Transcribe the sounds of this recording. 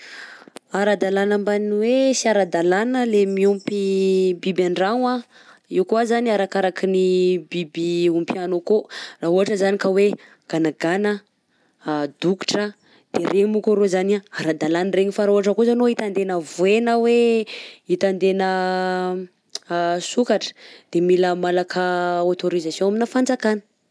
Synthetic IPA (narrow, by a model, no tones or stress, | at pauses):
aɾad̪alanambaniwesiaɾad̪alanəlemiumpibibaɳɖ͡ʐaŋa | iwkuazaniaɾakaɾakinibibiumpianokoraɦuaʈ͡ʂəzanikawe | ɡ̥anaɡanə | d̪uki̥ʈ͡ʂə | d̪̥erʔemukoɾozanaaɾad̪alanreɲifaɾuaʈ͡ʂəkozanoit̪and̪enəvuenəwe | it̪and̪enə | sukaʈ͡ʂə̥d̪̥emiləmalakʰəot̪oɾizasjõaminəfand͡zakanə̥